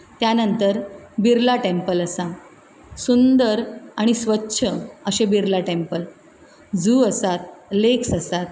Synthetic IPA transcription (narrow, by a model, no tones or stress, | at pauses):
t̪janənt̪əɾbiɾlaʈempələsã | sund̪əɾaɽ̃isʋətːɕʰəəɕebiɾlaʈempəl | d͡zuːəsat̪̚leksəsat̪̚